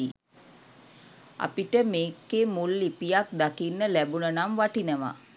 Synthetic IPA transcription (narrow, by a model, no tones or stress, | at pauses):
i | a̰piʈəmeːkːemulːipijak̚d̪akinːəlæbunənamʋaʈinəʋa̰